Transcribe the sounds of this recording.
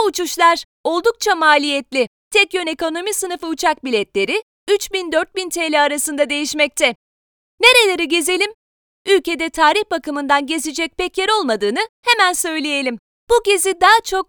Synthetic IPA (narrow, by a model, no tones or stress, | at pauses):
t͡ʃuʃlˠaɾ̥ | o̞lˠd̪uk̚t͡ʃʰamaːlʲijɛt̪lʲɪ | t̪ʰɛcjøne̞ko̞no̞misɯnɯfɯut͡ʃʰak̚bilʲɛt̪lʲe̞ɾɪ | yt͡ʃbind̪øɾt̪̚bint̪ʰeːlʲɛaɾasɯnd̪ad̪e̞jiʃmɛc̚t̪ʰɛ | ne̞ɾe̞lʲeɾiɟe̞ze̞lʲim | ylʲce̞d̪ɛt̪ʰaːɾihbakɯmɯnd̪anɟe̞zed͡ʒɛc̚bɛcʰeɾo̞lˠmad̪ɯːnɯhemænsø̞jlʲeje̞lʲim | b̥uɟe̞zid̪aːt͡ʃʰo̞k̚